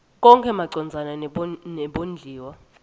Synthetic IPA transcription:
k̬ʼɔŋkʰʼɛmaǀɔnd͡zʱananɛɓond͡ɮʱiːwa

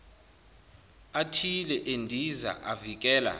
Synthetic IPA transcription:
atʰilɛʔendʱiza̰ʔavik̬ʼɛːla̰

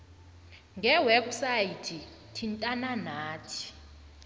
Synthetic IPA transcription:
ŋɡʱɛwɛbsajitʰi | tʰintʼananaːtʰi̥

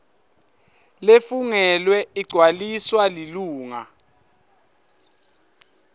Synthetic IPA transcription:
lefuŋɛlwɛiɡ͡ǀʱwaliswaliluːŋa̰

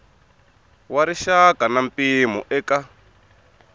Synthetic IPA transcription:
waɾiʃakanampʼimɔ̰ʔɛka

